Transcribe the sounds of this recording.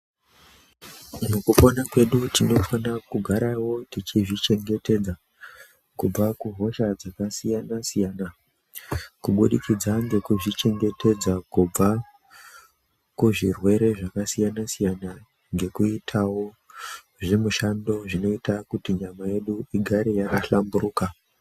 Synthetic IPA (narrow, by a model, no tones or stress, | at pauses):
mukuponakwe̞ɗutino̞fanakuɡʱaɾawo̞tit͡ʃiʐit͡ʃe̞ŋɡe̞te̞d͡za | kub͡vakuɦo̞ʃad͡zakasijanasijana | kuɓuɗikid͡zaŋɡe̞kuʐit͡ʃe̞ŋɡe̞tʰe̞d͡zakub͡va | kuʐirwe̞ɾe̞ʐakasijanasijana | ŋɡe̞kuitʰawo | ʐemuʃando̞ʐino̞itakutiɲamaje̞ɗuiɡʱaɾejakaɬambuɾuːka